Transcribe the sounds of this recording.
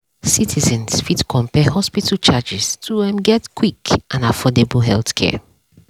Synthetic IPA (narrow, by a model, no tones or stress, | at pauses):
sitʰizɛ̃nsfitkʰɔ̃mpɛhɔspitʰalt͡ʃad͡ʒɛstʰuɛ̃mɡɛtkʰwikʔãnafɔdebəlɦɛlˠθkʰɛ̰